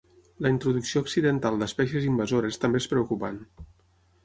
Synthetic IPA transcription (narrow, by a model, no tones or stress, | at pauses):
ləint̪ɾuðuksioksiðənt̪alˠd̪əspɛsjezimbəzoɾəest̪əmbeespɾəukupan